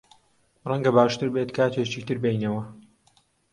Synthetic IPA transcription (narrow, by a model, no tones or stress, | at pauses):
rɐŋɡɐbaːʃt̪ɨɾbeːt̪kʰaːt̪ʰeːt͡ʃikt̪ɨɾbejnɐwɐ